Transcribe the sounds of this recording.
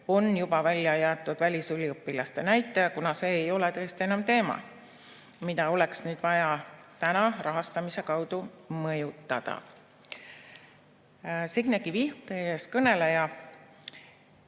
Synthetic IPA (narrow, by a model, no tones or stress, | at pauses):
o̞njub̥ɑvælʲjɑjæːt̪ːˑud̪̥vælʲisylʲiopːilɑst̪e̞næjt̪ːˑejɑkunɑse̞ːjo̞let̪ɤ̞est̪ie̞nɑmt̪e̞ːmɑ̰ | mid̪̥ɑo̞le̞ksnyːd̪̥vɑjɑt̪ænɑrʔɑɦɑst̪ɑmise̞kɑwd̪̥umɤjut̪ːˑɑ̰d̪̥ɑ̰ | siɡ̥nekivihut̪eeskɤne̞lejɑ